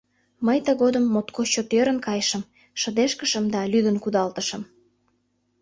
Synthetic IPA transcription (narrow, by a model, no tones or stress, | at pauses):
məjt̪əɣod̪əmːot̪kʰot͡ɕot̪øɾə̆nkɑjʃə̆m | ʃə̆d̪eʃkəʃə̆md̪ɑlyd̪ənkud̪ɑlt̪əʃə̆m